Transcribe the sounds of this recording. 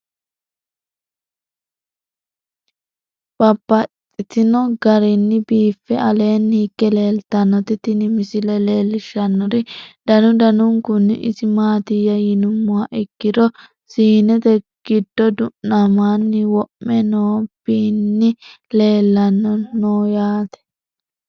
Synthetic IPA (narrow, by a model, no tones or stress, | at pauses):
b̥ɐbːɐt̪ʼːɪt̪ɪnɔɡɐɾɪnːɪbiːfːɛɐle̞ːnːhɪkːɛle̞ːlt̪ɐnːɔt̪ɪt̪ɪnɪmɪsɪlɛle̞ːlːɪʃːɐnːɔɾɪd̪ɐnʊd̪ɐnʊŋkʊnːɪ̰ʔɪ̰sɪmaːt̪ɪjːɐjɪnʊmːʊaʔɪkːɪd̪ɔ | siːnɛt̪ɛ | ɡ̥ɪd̪ːɔd̪ʊʔːɐmaːnːɪwɔʔmːɛnoːb̥iːnːɪ | le̞ːlːɐnːɔnoːjaːt̪ɛ̥